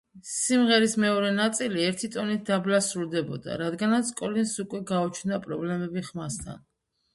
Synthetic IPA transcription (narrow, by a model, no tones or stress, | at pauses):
simʁɛɾismɛɔɾɛnat̪sʼiliɛɾt̪ʰit̪ʼɔnit̪̚d̪ablasɾuɾd̪ɛbɔ̰d̪a̰ɾad̪ɡanat̪sʰkʼɔlinsukʼwɛɡaɔt͡ʃʰnd̪apʼɾɔblɛmɛbiχmast̪ʰa̰n